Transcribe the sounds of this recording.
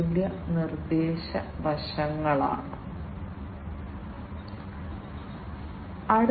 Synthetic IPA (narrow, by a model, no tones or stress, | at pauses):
ljɐnird̪eːɕɐʋɐʂɐŋːɐɭa̰ːɳɨ | ɐɽ